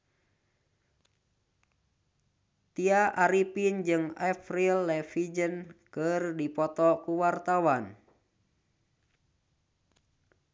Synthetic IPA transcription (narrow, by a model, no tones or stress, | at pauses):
t̪iaʔaɾipind͡ʒɨŋɛfɾilːɛfid͡ʒənkɨrdipɔt̪ɔkuwart̪awan